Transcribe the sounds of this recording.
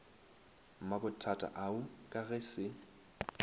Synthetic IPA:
m̩makʼʊtʰatʼa̰ʔaʊkʼaɣɛsɪ

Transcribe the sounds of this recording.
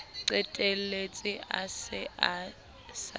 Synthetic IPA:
ǀɛtʼelet͡sʼɪʔa̰sɪa | s

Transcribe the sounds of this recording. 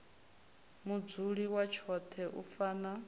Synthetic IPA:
mud͡zuɺiwat͡ʃʰɔt̪ʰɛʔufaːna

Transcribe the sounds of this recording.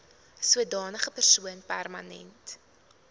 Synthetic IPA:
suədɑːnəχəpərsuənpærmɐnɛ̰nt

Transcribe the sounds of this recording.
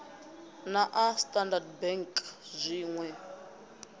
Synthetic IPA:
naʔastʼandad̚bɛŋkʼzʷiːŋwɛ

